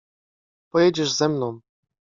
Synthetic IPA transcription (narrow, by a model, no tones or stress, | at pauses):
pɔjɛd͡ʑɛʐzɛmnɔ̃w̃